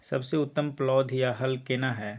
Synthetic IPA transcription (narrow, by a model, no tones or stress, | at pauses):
sɐbseʊt̪ːəmplɔːd̪ʱjaɦɐlkeːnaɦɛː